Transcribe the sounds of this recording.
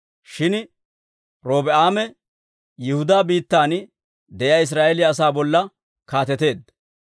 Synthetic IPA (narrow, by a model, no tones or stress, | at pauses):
ʃɪn | ɾo̞ːbɛaːmɛ | jɪhʊd̪aːbiːt̪ːaːn | d̪ɛjaːɪs̬ɾaːʔɛlɪɐs̬aːbɔlːɐ | kaːt̪ɛt̪e̞ːd̪